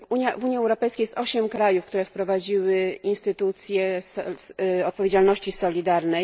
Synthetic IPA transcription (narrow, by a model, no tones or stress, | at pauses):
uɲavuɲjiɛwɾɔpɛjskʲajɛst̪ɔɕɛmkɾajufkt̪uɾɛfpɾɔvad͡ʑiwɘinst̪ɘt̪ut̪sʲjɛs | ɔt̪̚pɔvʲed͡ʑalnɔɕt͡ɕisɔlʲid̪aɾnɛ